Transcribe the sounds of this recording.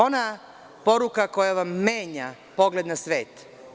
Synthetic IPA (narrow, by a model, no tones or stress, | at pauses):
ona | po̞ɾukako̞jaʋamːe̞ːɲa | po̞ɡle̞d̪nasʋe̞ːt̪